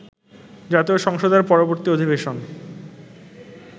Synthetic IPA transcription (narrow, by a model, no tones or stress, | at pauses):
d͡ʑat̪eoʃɔŋʃod̪eɾpɔɾoboɾt̪iod̪ʱibeʃon